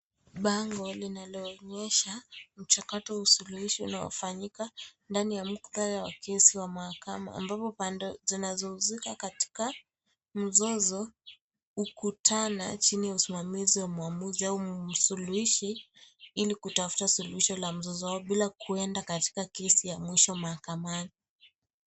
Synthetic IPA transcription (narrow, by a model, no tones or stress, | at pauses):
ɓaŋɡɔlinalɔːɲɛʃam̩t͡ʃakatɔwusuluhiʃiṵnaɔ̰faɲikandanijam̩kuðaɾawa̰kʰɛsiwamahakama̰ːmbapɔpandɛzinazɔuzikakati̥ka | m̩zɔzɔ | ukutʰana̰t͡ʃinijausimamiziwamuamuziaum̩suluhiʃi | ilikutafu̥tasuluhiʃɔlam̩zɔzɔwaɔɓilakʰuɛndakati̥kakɛsijamwiʃɔmahakamani